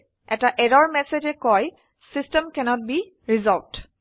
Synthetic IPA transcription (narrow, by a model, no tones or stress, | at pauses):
ɛtaʔɛdɔɹmɛsed͡ʒɛkɔj | sistɛmkɛnɔt̚bi | ɹizɔlt